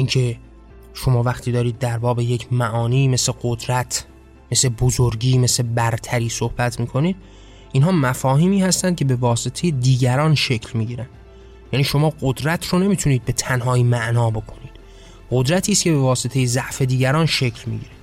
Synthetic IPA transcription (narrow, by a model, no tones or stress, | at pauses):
ʔiŋcʰe̞ | ʃo̞mɒːvæxt̪ʰiːd̪ɒːɾiːd̪̚ːæɾbɒːbe̞jecʰmæʔɒːniːme̞sle̞ɡod̪ɾæt̪ʰ | me̞sle̞bozoɾɟiːme̞slebæɾt̪ʰæɾiːsohbæt̪ʰmiːkʰo̞niːd̪̥̚ | ʔinɦɒːmæfɒːhiːmiːhæst̪ænd̪̚cʰe̞be̞vɒːse̞t̪ʰejed̪iːɟæɾɒːnʃe̞cʰlmiːɟiːɾænd̪ | jæːniːʃo̞mɒːɢod̪ɾæt̪ʰɾone̞miːt̪ʰuniːd̪̚be̞t̪ʰænɦɒːimæʔnɒːbo̞kʰo̞niːd̪̥ | ɢo̞d̪ɾæt̪ʰiːst̪cʲʰe̞be̞vɒːse̞t̪ʰe̞jezæʔfe̞d̪iːɟæɾɒːnʃe̞cʰlmḭːɟiːɾed̪̥